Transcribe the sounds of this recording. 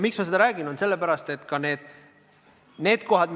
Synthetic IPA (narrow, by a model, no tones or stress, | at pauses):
miksmɑsed̪ɑɾæːɡ̥inonse̞lːepæɾɑst̪e̞t̪ːˑkɑne̞ːd̪̥ | ne̞ːd̪ko̞ɦɑd̪